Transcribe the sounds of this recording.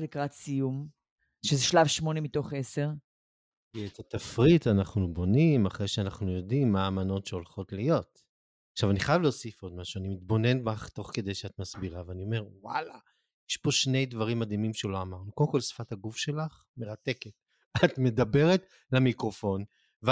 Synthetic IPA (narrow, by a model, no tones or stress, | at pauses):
likʁasijum | ʃezeʃlavʃmo̞nemito̞χese̞ʁ | kiet̪at̪afʁit̪anaχnubo̞nimaχʁejʃeanaχnujo̞dimːaːmano̞tʃeo̞lχo̞tlijo̞t | aχʃavaniχajavleosifo̞d̪maʃuanimit̪̚bo̞ne̞nbaχt̪o̞χke̞d̪e̞jʃeat̪masbiʁaveanio̞me̞ʁwa̰la | jeʃpo̞ʃne̞jd̪vaʁimːad̪imimʃelo̞amaʁnukodemkolsfataɡufʃe̞laχ | me̞ʁate̞ket̚ | atme̞d̪abe̞ʁet | lamikʁo̞fo̞n | v